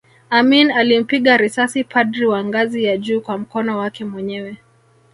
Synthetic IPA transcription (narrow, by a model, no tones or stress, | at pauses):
aminalim̩piɠaɾisasipʰadɾiwaŋɡazijaʄuːkwam̩kɔnɔwakɛmwɛɲɛwɛ